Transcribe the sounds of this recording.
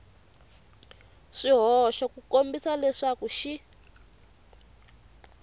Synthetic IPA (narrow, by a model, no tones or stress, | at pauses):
ʂiɦɔʃakukombisalɛʂakuʃi